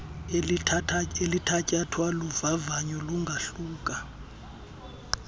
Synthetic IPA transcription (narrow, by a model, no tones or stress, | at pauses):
lʰatʰaelitʰacʼatʰwaluvavaɲɔluŋɡʱaɬuːkʼa